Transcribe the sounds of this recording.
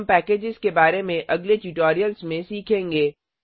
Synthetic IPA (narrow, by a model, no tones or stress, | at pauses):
mpɛːkeːd͡ʒɪzkebaːɾemẽʔɐɡleʈuʈoːɾijəlzmẽsiːkʰẽːŋɡeː